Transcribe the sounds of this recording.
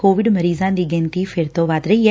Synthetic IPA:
koːʋiɖmɐɾiːzãnd̪iɡẽnt̪ifeɾt̪oʋaːt̪ɾeje

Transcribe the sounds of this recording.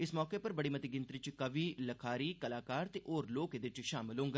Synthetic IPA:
ɪsmɔːkepɐɾbəɽiːmət̪iɡɪnt̪ɾit͡ʃkəʋiləkʰaːɾiːkəlaːkaːɾt̪eʔoːɾloːked̪ɪt͡ʃʃaːmɪlɦõːŋɡaː

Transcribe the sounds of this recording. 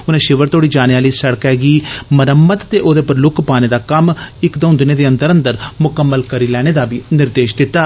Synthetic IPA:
ʊnẽːʃɪʋəɾt̪oːɽiːd͡ʒaːneaːliːsəɽkɛːɡiːməɾəmːət̪t̪eːʔoːd̪eːpəɾlʊkʰpaːneːd̪aːkəmɪkd̪õːʊnd̪ɪneːd̪eːə̃nt̪əɾə̃nd̪əɾmʊkəmːəlkəɾiːlɛːɽ̃eːd̪aːbiːnɪɾd̪eːʃd̪ɪt̪ːaː

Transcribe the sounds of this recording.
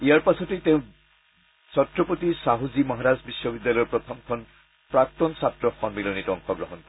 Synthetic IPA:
ijaɹpasɔtejteʊ̃ | sɔtɹɔpot̪isaɦuzimɔɦaɾazbisːɔbidːjalɔjɔɹpɹɔt̪ʰɔmkʰɔn | pɹak̚t̪ɔnsatɹɔxɔnbilɔnitɔŋxɔɡɹɔɦɔnkɔ

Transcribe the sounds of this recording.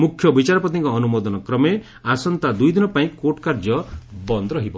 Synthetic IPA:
mukʰjɔbit͡ʃaɾɔpɔt̪iŋkɔːnumɔd̪ɔnɔkɾɔme | asɔnt̪ad̪ujd̪inɔpaĩkoʈkaɾd͡ʒɔbɔnd̪ɔɾɔɦibɔ

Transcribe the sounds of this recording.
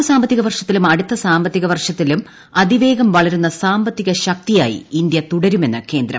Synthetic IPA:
saːmbɐt̪ːiɣɐʋɐrʂɐt̪ːilumɐɽut̪ːɐsaːmbɐt̪ːiɣɐʋɐrʂɐt̪ːilum | ɐd̪iʋe̞ːɡɐmʋɐɭɐɾunːɐsaːmbɐt̪ːiɣɐɕɐk̚t̪ija̰ːjḭind̪jɐt̪uɽɐɾume̞nːɨke̞ːnd̪ɾɐ̰

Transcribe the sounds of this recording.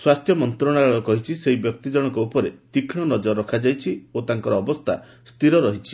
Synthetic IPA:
swast̪ʰjɔmɔnt̪ɾɔɽ̃aɔɭɔkɔɦit͡ʃʰiseɦibjɔk̚t̪id͡ʒɔɽ̃ɔŋkɔupɔɾet̪ikʰɽ̃ɔnɔd͡ʒɔɾːɔkʰad͡ʒajt͡ʃʰiot̪aŋkɔɾɔːbɔst̪ʰa̰ | st̪ʰiɾɔɾɔɦit͡ʃʰi̥

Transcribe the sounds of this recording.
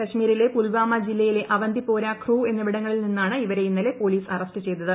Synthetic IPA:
kɐɕmiːɾile̞pulʋaːmɐd͡ʑilːɐjile̞ʔʔɐʋɐnd̪ipoːɾaːkʰruːe̞nːɐʋiɽɐŋːɐɭilninːaːɳɨiʋɐɾe̞jinːɐle̞po̞ːliːsɐrɐstɨt͡ɕe̞jt̪ːɐðɨ

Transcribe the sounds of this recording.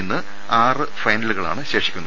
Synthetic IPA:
nːɨ | aːrɨfɐjnɐluɣɐɭa̰ːɳɨɕe̞ːʂi̥kʲːunːɐ

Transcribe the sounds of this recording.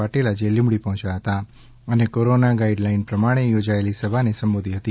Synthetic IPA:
aʈelad͡ʒelũmɽipəɦɔ̃t͡ʃaɦət̪a | ənekoɾonaɡaiɖlainpɾəmaɽ̃ejod͡ʒaelisəbʱanesəmbod̪ʱiɦət̪i

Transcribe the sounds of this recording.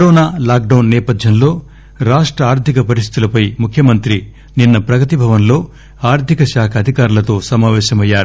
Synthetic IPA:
kɐɾoːnaːlaːk̚ɖɐwnːɛːpɐd̪ʱjɐnlo̞ː | ɾaːʂʈɾɐaːɾt̪ʰikɐpɐɾist̪i̥t̪ulɐpɐjmukʰjɐmɐnt̪ɾi | ninːɐpɾɐɡɐt̪ibʱɐʋɐnlo̞ː | aːɾt̪ikɐʃaːkʰɐɐd̪ʱikaːɾulɐt̪o̞ːsɐmaːʋɛːʃɐmɐjːaːɾu

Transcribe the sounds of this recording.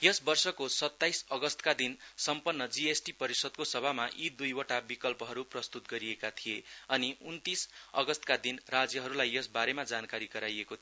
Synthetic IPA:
jʌsbʌrsʌkosʌt̪ːajsʌɡʌst̪kad̪insʌmpʌnːʌd͡ziesʈipʌɾisʌd̪̚kosʌbʱamaʔid̪ujoʈabikʌlpʌɦʌɾuprʌst̪ut̪ɡʌɾiekat̪ʰijeʌniunt̪isʌ̰ɡʌst̪kad̪inrad͡zjʌɦʌɾulajːʌsbaɾemad͡zankaɾiɡʌɾajeko

